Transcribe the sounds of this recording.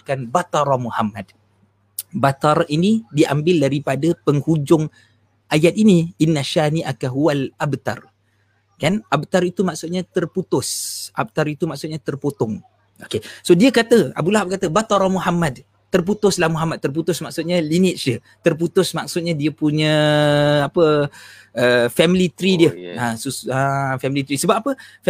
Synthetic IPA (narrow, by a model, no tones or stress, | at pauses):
kanbat̪aɾamuhamad̚ | bat̪aɾʔinidiambɪldaɾipadapəŋhud͡ʒʊŋ | ʔajat̪̚iniinːaʃaniʔakaɦualʔabt̪a̰r | kanab̚t̪aɾit̪umaksʊt̪̚ɲat̪ərput̪ʊsʔa̰b̚t̪aɾit̪umaksʊt̪̚ɲat̪ərpot̪ɔŋ | okesodiəkat̪əa̰bulaɦab̚kat̪əbat̪ɔɾɔmuɦamad | t̪ərp̬ut̪ʊslamuɦamad̪̚t̪ːərp̬ut̪ʊsmak̚sʊt̪̚ɲalinɪt̪̚sə | t̪ərp̬ut̪ʊsmak̚sʊt̪̚ɲadiəpuɲə̃ | apə | əfɛmilit̪ɾidiəãsusafɛmilit̪ɾisəbap̚apə